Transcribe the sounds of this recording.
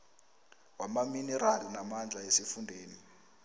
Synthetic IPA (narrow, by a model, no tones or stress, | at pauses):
wamaminɛɾalinamand͡ɮʱaesifundʱeːni